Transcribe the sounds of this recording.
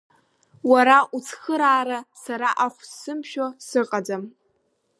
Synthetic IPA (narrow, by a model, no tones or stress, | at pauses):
waɾaʔut͡sʰχəɾaːɾasaɾaʔaχʷsːɨmʃᶣosɨqʼad͡zam